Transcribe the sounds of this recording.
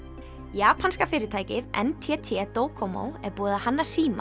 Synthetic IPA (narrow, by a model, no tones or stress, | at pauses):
jaːpʰanskafɪːɾɪt̪ʰaːjcɪðɛ̰nt̪ʰɛt̪ʰɪɛt̪oːwkʰɔmo̰wɛɾpuːðahanːasiːma̰